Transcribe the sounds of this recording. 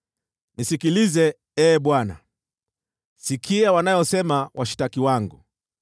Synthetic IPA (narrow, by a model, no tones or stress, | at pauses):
nisikilizɛ | ɛːɓwana̰ | sikʰiawanajɔsɛmawʔaʃi̥takiwaŋɡu